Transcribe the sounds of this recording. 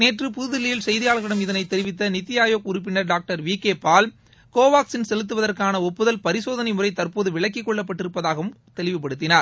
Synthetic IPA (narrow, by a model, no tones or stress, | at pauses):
neːʈrɯpʊðɯðɪlɪjɪlsɛjðɪjaːlɣɐɽɐmɪðɐnɐɪt̪ːɛɾɪʋɪt̪ːɐnɪt̪ːɪjaːjoːkʊɾʊp̬ːɪnɐɾɖaːk̚ʈɐɾʋiːkeːpaːl | koːʋaːksɪnsɛlɯt̪̬ːɯʋɐðɐrkaːnɐɔpːɯðɐlpɐɾɪsoːðɐnɐɪmʊrɐɪt̪ɐrpoːðɯʋɪɭɐkːɪkːɔɭːɐp̬ːɐʈːɪɾɯpːɐðaːɣɐʋɯm | t̪ɛlɪʋɪp̬ːɐɽɯt̪ːɪnaːɾ